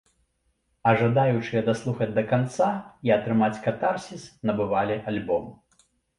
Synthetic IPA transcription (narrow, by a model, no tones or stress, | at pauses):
ɐʐad̪ajut͡ʂɨjɐd̪aslˠuxɐd͡zʲd̪ɐkant̪saiɐt̪ɾɨmat͡sʲkat̪arsʲisnɐbɨvalʲialʲbɔm